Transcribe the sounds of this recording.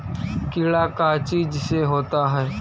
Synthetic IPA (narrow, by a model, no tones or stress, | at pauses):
kɪːɭaːkat͡ʃiːd͡ʒseɦoːt̪aɦɛː